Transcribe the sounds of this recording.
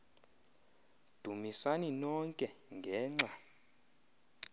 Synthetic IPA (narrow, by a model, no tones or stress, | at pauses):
d̥ʱumisaninɔŋkʼɛŋɡʱɛːŋ͡ǁa